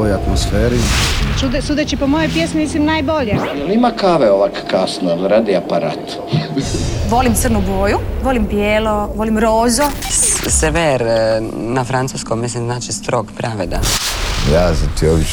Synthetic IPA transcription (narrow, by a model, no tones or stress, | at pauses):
ojat̪mosfeːɾit͡ʃud̪sud̪et͡ʃipomojojpjesmimislimnaːjboʎejelimakaʋeoʋakkasnolɾad̪iapaɾa̰ːt̪ | ʋo̞limt̪srnuɡoːjuʋolimbjeːloʋo̞limɾoːzoseʋeɾ | nafɾant̪suskommis̬limznaːt͡ʃist̪ɾo̞ɡpɾaʋed̪a̰jaːsat̪iobi